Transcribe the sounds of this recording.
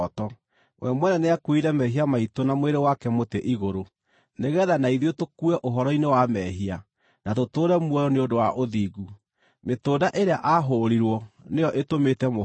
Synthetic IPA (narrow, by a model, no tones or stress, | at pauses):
tɔ | wʔɛmwɛnɛneakwiɾɛmɛɦiamaitonamweɾewakɛmoteʔiɣoɾo | neɣɛðanaiðiotokuɛʔoɦɔɾɔinewamɛɦia | natotoːɾɛmwɛɾɔneondowaʔoðiːɡu | metoːdaʔeɾeaʔaɦoːɾiɾwɔnejɔʔetometɛmo